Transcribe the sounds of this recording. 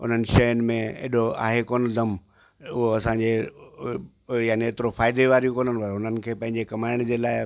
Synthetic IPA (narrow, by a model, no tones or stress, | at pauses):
ʊ̰n̤ənɪ̆ʃɐjənɪ̆mẽḛːɗoa̰ːɦekoːnd̪ʱɐm | ʊɦoɐsãɲd͡ʑe | jaːnieːt̪ɪɾofaːɪd̪eʋaːɾijũkoːnənɪ̆pɐɾʊn̤ənɪ̆kʰeːpɐ̃ɦɪ̃ɲd͡ʑekɐmaːɪɽ̃d͡ʑeːlaːɪ